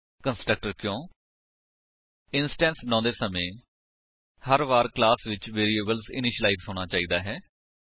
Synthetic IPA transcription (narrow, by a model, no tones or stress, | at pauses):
kənsʈɾək̚ʈəɾkjõː | ɪnsʈɛ̃ːnsbənãːd̪eːsəmẽː | həɾʋaːɾklaːsʋɪt͡ʃʋeːɾiːeːbəlsɪ̰nɪʃlaːifsoːɽ̃aːt͡ʃaːiːd̪aːɦɛː